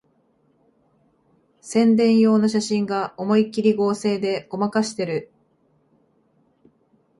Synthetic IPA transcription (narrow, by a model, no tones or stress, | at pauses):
sẽ̞nd̪ẽ̞ɰ̃jo̞ːnaɕaɕĩŋɡao̞mo̞ikʲːiɾʲiɡo̞ːse̞ːd̪e̞o̞makaɕi̥t̪e̞ɾɯ̟